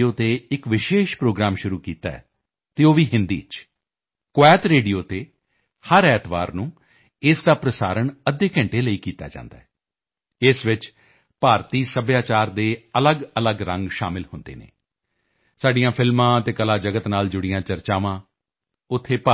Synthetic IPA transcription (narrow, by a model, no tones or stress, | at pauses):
oːt̪eːɪkʋɪʃeːʃpɾoːɡɾaːmʃʊɾuːkiːt̪a̰ːɛ̰ː | t̪eːoːʋiːɦɪnd̪ḭːt͡ʃ | kʊɛːt̪ɾeːɖijoːt̪eː | həɾɛːt̪ba̰ːɾnũː | ɪsd̪aːpɾəsa̰ːɾəɳəd̪ːeːkɛ̃ɳʈeːləiːkiːt̪a̰ːd͡ʒã̰ːnd̪aːɛː | ɪsʋɪt͡ʃ | paːɾt̪iːsəbjaːt͡ʃaːɾd̪eːələɡələɡɾə̃ŋɡʃaːmɪlhʊnd̪ḛːnḛː | saːɖɪjãːpʰɪlmãːt̪eːkəlaːd͡ʒəɡət̪naːld͡ʒʊɽɪjãːt͡ʃəɾt͡ʃaːʋãː | ʊt̪ʰːeːpa